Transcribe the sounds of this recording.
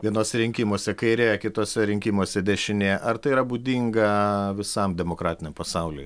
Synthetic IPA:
ʋʲiɛnoːsʲɛɾʲɪŋʲkʲimoːsʲɛkɐɪɾʲeːjɛkʲɪt̪oːsʲɛɾʲɪŋʲkʲimoːsʲɛd̪ʲɛʃʲɪnʲeːjɛʔɐɾt̪ɐɪiɾɐbud̪ʲiːŋɡɐʋʲɪsɐmd̪ʲɛmokɾɑːt̪ʲɪnʲɛmpɐsɐʊlʲʊ̰j

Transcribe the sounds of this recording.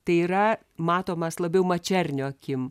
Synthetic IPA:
t̪ɐɪiːɾɐ | mɑːt̪oːmɐslˠɐbʲɛʊmɐt͡ʃʲɛrʲnʲoːɐkʲɪm

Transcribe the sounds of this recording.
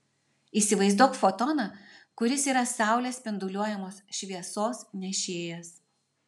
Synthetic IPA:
iːsʲɪʋɐɪzd̪uɔkfot̪ɔnɐkʊɾʲɪsiːɾɐsɑˑʊlʲeːspʲɪnd̪ʊlʲuɔjɛmoːsʃʲʋʲiɛsoːsnʲɛʃʲeːjɛs

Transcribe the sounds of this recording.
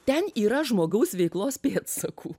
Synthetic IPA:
t̪ʲɛniːɾɐʒmoːɡɐʊsʋʲɛɪklˠoːspʲeːt̪sɐkʰuː

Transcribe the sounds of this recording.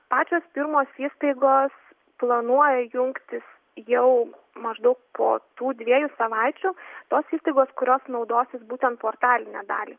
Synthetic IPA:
pɑːt͡ʃʲoːspʲɪɾmoːsiːst̪ɐɪɡoːs | plˠɐnuɔjɛjʊŋkt̪ʲɪs | jɛʊ | mɐʒd̪ɐʊk̚pʰo̰ːt̪uːd̪ʲʋʲiɛjʊsɐʋɐɪt͡ʃʲʊt̪oːsiːst̪ɐɪɡoːskʊɾʲoːsnɒʊd̪oːsʲɪsbuːt̪ʲɛnt̪poːrt̪ɑːlʲɪnʲɛd̪ɑ̰ːlʲiː

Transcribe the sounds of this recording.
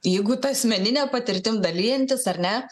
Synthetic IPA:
jɛɪɡʊt̪ɐɐsʲmʲɛnʲɪnʲɛːpɐt̪ʲɪɾʲt̪ʲɪmd̪ɐlʲiːjɛnʲt̪ʲɪsɐɾʲnʲɛ

